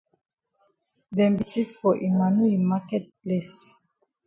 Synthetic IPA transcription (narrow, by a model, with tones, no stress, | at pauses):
dɛ̃˨mbi˨ti˦fɔ˨ʔi˨ma˨nu˦imakɛt̚ples